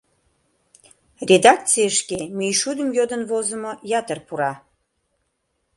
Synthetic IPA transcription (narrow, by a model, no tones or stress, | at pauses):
rʲed̪ɑk̚t͡sijəʃkemijʃud̪əmjod̪ənvozə̆mojɑt̪ərpuɾɑ